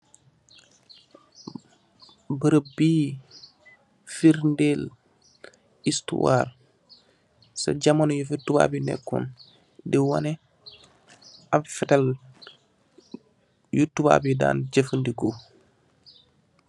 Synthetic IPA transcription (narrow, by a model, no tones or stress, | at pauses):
bəɾəbiː | fiɾndel | istṵwa̰ːr | sa̰ɟamanjufitːuba̰ːbinɛ̰kːṵn | diwa̰nɛ | afɛtal | jutːuba̰bida̰ːnd͡ʒəfəndiɡo